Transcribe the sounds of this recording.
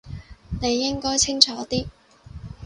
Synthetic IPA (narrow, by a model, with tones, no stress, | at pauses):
ne˨˧jːɪ˥ŋkɔː˥jt͡sʰɪ˥ŋt͡ʃʰɔː˨˥t̪iː˥